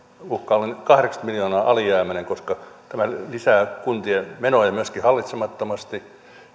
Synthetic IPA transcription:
uhkɑːlenkɑhreksɑt̪miljoːnɑːʔɑliæːmæneŋkoskɑt̪æmælisæːkunt̪iemenojɑmyøskihɑlːit̪semɑt̪ːomɑst̪i

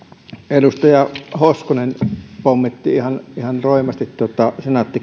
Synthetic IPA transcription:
elust̪ɑjɑhoskonenpomːit̪ːiihɑnihɑnroˑemˑɑst̪it̪t̪uot̪ɑsenɑt̪ːi

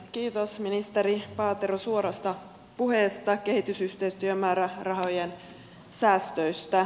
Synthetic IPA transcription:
kiːt̪osminist̪eɾipɑːt̪eɾosuoɾɑst̪ɑ | puɦeːst̪ɑke̞hit̪ysyht̪eist̪yømæːɾærɑɦojen | sæːst̪øjst̪æ

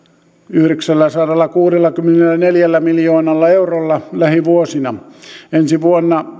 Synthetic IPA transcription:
yhɾeksælːæsɑɾelːɑkuːrelːɑkymːenelːˑæneljælːæmiljoːnɑlːɑeurolːɑlæhiʋuosinɑensiʋuonːɑ

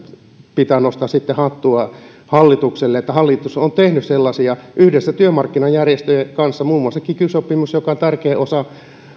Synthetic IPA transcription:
pit̪ænost̪ɑssit̪ːehɑt̪ːuɑ | hɑlːit̪ukselːeet̪ːæhɑlːit̪usont̪ehnysselːɑsiɑʔyhdesːæt̪yømɑrkːinɑjjærjest̪øjekɑnsːɑmuːmːuɑsekikysopːimusjokɑont̪ærkeːʔosɑ

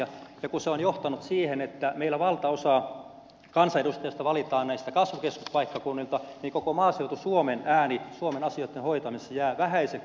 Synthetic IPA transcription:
ɑjɑkuseonjoht̪ɑnut̪siːhenet̪ːæmeilːæʋɑlt̪ɑosɑː | kɑnsɑedust̪ejɑst̪ɑʋɑlit̪ɑːnnæist̪ækɑsʋukeskuspɑikːɑkunːilt̪ɑniːŋkokomɑːseut̪usuomenæːnisuomenɑsioˑit̪ːenhoit̪ɑmisjæːʋæhæise

